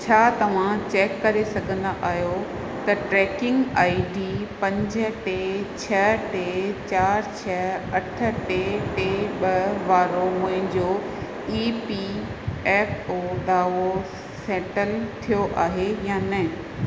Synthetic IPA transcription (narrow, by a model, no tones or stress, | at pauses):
t͡ɕʰaːt̪ɐʋ̤ãt͡ɕeːkːɐɾesɐɡʱə̃nd̪aʔaːɦjo | t̪ɐʈɾɛːkɪ̃ŋɡaːiɖiːpɐ̃ɲd͡ʑə̆ʈeːt͡ɕʰɐʈeːt͡ɕaːɾt͡ɕʰɐɐʈʰə̆ʈeʈeːɓɐʋaːɾomʊ̃ɦɪ̃ɲd͡ʑo | iːpiɛːpoːɗaːo | seːʈəlt̪ʰijoʔaːɦejãːnɐ̃